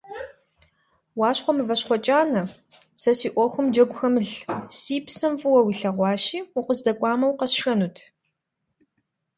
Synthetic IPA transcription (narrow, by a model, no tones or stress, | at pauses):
wɑːɕχʷɔmɨvɐɕχʷɔt͡ʃʼaːnɐ | sɐsiːʔʷɔχʷʊmd͡ʒɐɡʷxɐmɨɮsiːpsɐmfʼɨwɐwiɬɐʁʷɑːʃiːuqəzdɐkʷʼɑːmɐwqɐsʂɐnuːtʰ